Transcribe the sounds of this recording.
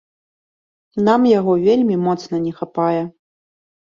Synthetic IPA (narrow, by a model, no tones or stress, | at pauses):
namjaɣɔvʲelʲmʲimɔt̪snɐnʲɛxapajɛ